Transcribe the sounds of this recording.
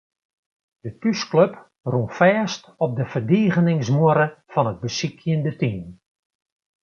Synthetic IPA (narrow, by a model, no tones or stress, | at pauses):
d̥ətyskløp | runfɛːst | ɔp̚dəfərdiːɣənɪŋsmuəɾəfɔnəd̚bəsikʰjəndətiːm